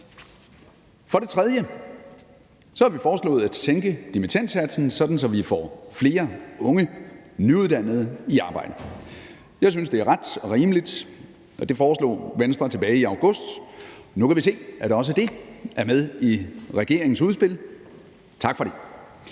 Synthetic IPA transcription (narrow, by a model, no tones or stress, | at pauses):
fɒ̽ɾ̥e̝t͡sʰʁɛð̞ˠjə | sɒ̽hɑʋifɒːslɔ̰ːð̩ˠæd̥seŋɡ̥əd̥imit͡sʰæn̰d̥sæd̥sn̩sɒ̽d̥n̩sɒ̽ʋifɒ̰fle̝ːɐʔɔ̽ŋənyuðˠd̥æn̰ð̞̩ˠiɑ̈ːb̥ɑ̈ɪ̰d̥ə | jɑ̈ɪs̬ynsd̥e̝æɐʁad̥ʁiːməlid̥ | ʔɒd̥e̝fɒːslɔ̰ːʋensd̥ʁɐt͡sʰe̝b̥ɛːɪiɑ̈ʊɡ̥ɔ̽sd̥nukʰæʋis̬e̝̰ːæd̥ɒ̽s̬əd̥e̝æɐmeð̞ˠiʁɛɡ̥e̝̰ɐ̰eŋn̩suðˠsb̥e̝l | t͡sʰɑ̈ɡ̥fɒ̽ɾ̥e̝